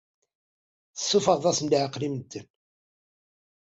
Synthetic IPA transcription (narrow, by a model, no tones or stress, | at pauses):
θəsːufəʁðˤɑsnd̪ʕəqːlimd̪ːən